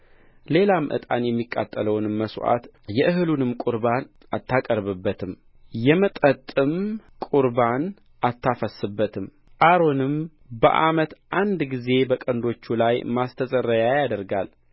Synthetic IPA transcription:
le̞lamʔɨ̰t̪ʼa̰njɛmːikʼːa̰t̪ʼːələwnɨmːəsʔa̰t̪ | jɛʔɨɦɨlunɨmkʼuɾban | ʔat̪ːakʼəɾβɨbːət̪ʰɨm | jɛmət̪ʼət̪ʼːɨmkʼuɾban | ʔat̪ʰːafəsɨbːət̪ʰɨm | ʔaɾo̞nɨm | bə̰ʔamət̪ʔand̪ɡize̞bəkʼənd̪o̞t͡ʃːulajmast̪ʰəsʼəɾːəjajad̪əɾɡal

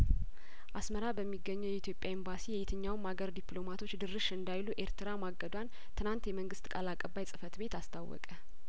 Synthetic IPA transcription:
ʔasməɾabəmːiɡːəɲːəwjɛit̪jo̞pʼjaɪmbasijɛjet̪ʰɨɲːawmaɡəɾd̪iplo̞mat̪ʰo̞t͡ʃːd̪ɨɾɨʃɨnd̪ajluʔe̞ɾt̪ʰɨɾamaɡəd̪wan | t̪ʰɨnant̪jɛməŋɡɨst̪kʼalakʼəbːajsʼɨfət̪be̞t̪ast̪ʰawːɔ̰kʼə

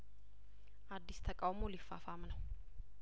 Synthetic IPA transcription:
ʔad̪ːist̪ʰəkʼawmo̞lifːafamnəw

